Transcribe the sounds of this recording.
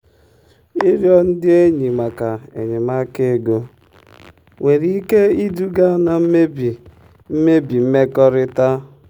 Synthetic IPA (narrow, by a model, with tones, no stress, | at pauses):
i˦ɾjɔ˦n̩˦dɪ˦e˦ɲi˨ma˨ka˨ḛ˨ɲe˨ma˦ke˦˨ɡo˦ | we˨ɾi˨i˦ke˦i˦du˦ɡa˦na˨m̩˦me˦bi˨ | m̩˦me˦bi˨m̩˦me˦kɔ˦ɾɪ˦ta˦